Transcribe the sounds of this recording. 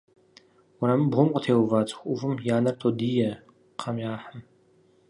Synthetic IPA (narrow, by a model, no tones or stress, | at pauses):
wʊɾɐmɨbʁʷʊmqʼətʰeːwvaːt͡sʼxʷʼʊvɨmjaːnɐrt̪ʰod̪iːjɛ | qʰamʲjaːħəm